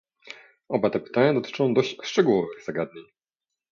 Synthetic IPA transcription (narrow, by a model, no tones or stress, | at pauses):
ɔbat̪ɛpɘ̥t̪aɲad̪ɔt̪ɘ̥t͡ʂɔ̃w̃d̪ɔɕt͡ɕʂt͡ʂɛɡuwɔvɘɣz̥aɡad̪ɲeɲ